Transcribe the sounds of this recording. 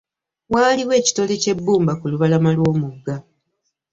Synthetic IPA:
waːliwe̞ːci̥to̞le̞ce̞bːuːmbakuluβalamalwo̞ːmuɡːa

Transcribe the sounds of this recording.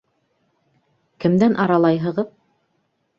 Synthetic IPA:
kɘ̆md̪ænʔɑɾɑlˠɑjɦɤ̆ʁɤð

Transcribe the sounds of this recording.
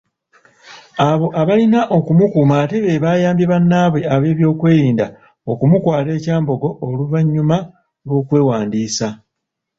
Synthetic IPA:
aβo̞ʔaβalinaʔo̞kumukuːmate̞βe̞βaːjaːmbeβanːaːβwe̞aβe̞ːβjo̞ːkwe̞ːɾiːnda̰ | o̞kumukwaːte̞ːcaːmbo̞ɡo̞ʔːluvaɲːuma | lwo̞ːkwe̞ːwaːndiːsa

